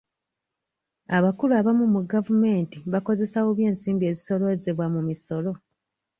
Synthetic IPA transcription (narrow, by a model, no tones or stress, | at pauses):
aβakuluaβamumuɡavume̞ːntiβako̞ze̞sawo̞βje̞ːnsiːmbie̞ːziso̞loezeβwamumiso̞lo̞